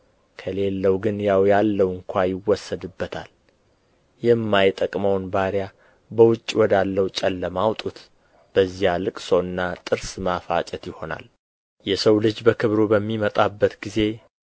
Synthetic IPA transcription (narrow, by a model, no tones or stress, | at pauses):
kʰəle̞lːəwɡɨnjawjalːəwɨŋkʷʰajɪwːɔsːəd̪ɨbːət̪ʰa̰l | jɛmːajt̪ʼəkʼməwnbaɾja | bəwʊt͡ʃʼːwɔd̪alːəwt͡ʃʼɛlːəmawt̪ʼut̪ | b̥əzːijalɨkʼsoɨnːat̪ʼɨɾsmafa̰t͡ʃʼət̪jɪho̞na̰l | jɛsəwlɨd͡ʒbəkʰɨβɾobəmːimət̪ʼabːət̪ɡize̞